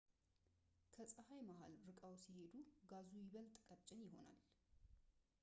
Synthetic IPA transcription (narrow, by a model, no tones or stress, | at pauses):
kʰəsʼəhajmaɦa̰lɾɨkʼawsihe̞d̪uɡazujɪβəlt̪ʼkʼət͡ʃʼɪnjɪɦo̞̰na̰l